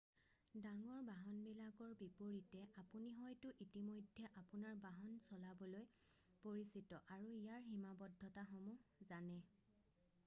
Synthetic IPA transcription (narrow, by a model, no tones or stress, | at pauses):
daŋɔɹbaɦɔnbɛlaɡɔɹbipoɹitɛʔapuniɦɔjtʊʔitimojdʱːɛʔapʊnaɹbaɦɔnsɔlabɔloj | poɹisitɔʔaɹuijaɹɦimabɔdʱːɔtaxɔmuzanɛ